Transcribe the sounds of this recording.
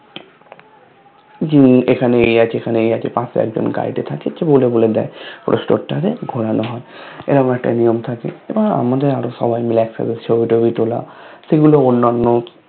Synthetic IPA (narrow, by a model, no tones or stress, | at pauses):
d͡ʑiekʰaneejat͡ɕekʰaneejat͡ɕepãseɛ̰k̚d͡ʑo̰nɡa̰jʈet̪ʰakt͡ɕʰet͡ɕeboleboled̪ɛepɾo̰sʈo̰ʈaɾeɡʱoɽanoɦɔe | ḛɾaamɾaɾɛk̚ʈa̰nijomt̪ʰakḛebaa̰mad̪eɾaɾoʃɔ̰bajmileɛksa̰best͡ɕʰobiʈobit̪ola̰seɡuloonːanːo